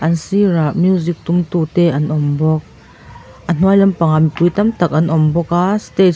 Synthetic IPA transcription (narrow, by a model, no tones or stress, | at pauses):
ʔɐnsiraʔmjuzik̚t̪umt̪ut̪ɛʔɐnʔɔmbɔk̚ | ʔən̥uajlɐmpaŋamipujt̪ɐmt̪ɐk̚ʔɐnʔɔmbɔkaːstet